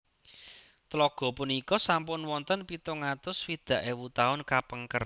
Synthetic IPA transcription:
t̪lɔɡ̥ɔ̤punikɔsampʊnwɔnt̪ənpit̪ʊŋat̪ʊswid̪̥ä̤ʔewut̪aʊnkapəŋkər

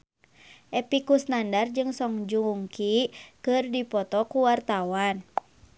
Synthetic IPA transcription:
ʔɛpikusnandard͡ʒɨŋsɔŋd͡ʒuŋkikɨrdipɔt̪ɔkuwart̪awan

